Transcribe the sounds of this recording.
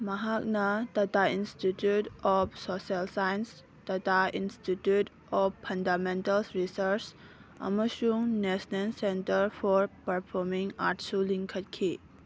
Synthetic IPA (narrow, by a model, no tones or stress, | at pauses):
mɐɦak̚nɐtɐtainstitjutɔpsɔsialsajns | tɐtainstitjut | ɔppʰːɐndamentɐlsɾisɐɾt͡ʃ | ɐ̰məsuŋnesnensentəɾpʰɔɾpɐɾpʰɔɾmiŋa̰ɾtsuliŋkʰɐt̚kʰi